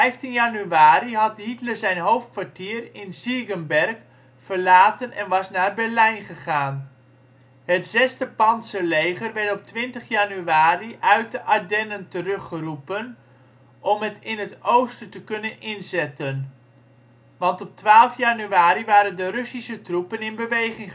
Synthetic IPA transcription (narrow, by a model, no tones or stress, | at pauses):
ɛjftinjanyaːɾiɦɑtɦitləzɛjnɦowftkʋaɹtiːɾɪnziɡənbɛrk | fərlaːtənɛnʋɑsnaːrbɛɹlɛjnχəχaːn | hətz̥ɛstəpɑnsəlejχərʋɛɹtɔp̚tʋɪntəχjanyaːriʔœɥt̚dəʔadɛnəntərɵχərupən | ʔɔmɦətɪnɦətowstətəkɵnənɪnzɛtən | ʋɑntɔp̚tʋaːlˠfjanyaːɾiʋaːɾəndəɾɵsisətrupənɪnbəʋejχɪŋ